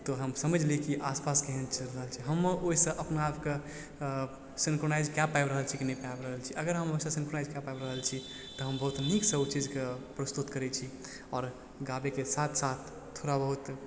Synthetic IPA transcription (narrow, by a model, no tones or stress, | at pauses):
t̪ɔɦəmsəməd͡ʒʱlikiʔaspaskeɦənt͡ʃəɾəɦəlt͡ʃʰiɦəmːoisə̃ʔəpnaapke | sinkɾonajd͡ʒkjapajbɾəɦəlt͡ʃʰikinɛpabɾəɦəlt͡ʃʰiʔəɡəɾɦəmoisə̃sinkɾonaɪd͡ʒkjapaebɾəɦəlt͡ʃʰi | t̪ɔɦəmbəɦut̪niksəbt͡ʃid͡ʒkepɾəst̪ut̪kəɾɛt͡ʃʰi | ɔɾ | ɡabekesat̪ʰsat̪ʰːoɾabəɦut̪